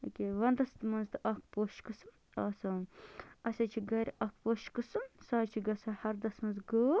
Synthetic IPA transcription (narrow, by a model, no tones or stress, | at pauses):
okʲeːʋɐnd̪ɐst̪mɐnzt̪ɨʔɐkʰpoʃkɨsɨ | ɐːsɐ | ɐsʲɐt͡ʃʰiɡɐɾʲʔɐk̚poʃkɨsɨmsɐːt͡ʃʰiɡɐsɐhɐɾd̪ɐsmɐnzɡoː